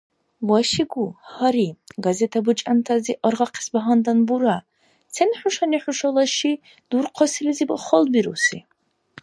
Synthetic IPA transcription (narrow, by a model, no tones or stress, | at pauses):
waʃiɡuhɐɾiɡazɛt̪ʰabut͡ʃʼant̪ʰaziʔɔɾʁaqʰi̥sbaɦand̪anbuɾa | t͡sʰɛnħʊʃaniħuʃɔlˠaʃi | d̪̥uɾqʰɔsilɛzib̰χɔlbiɾusi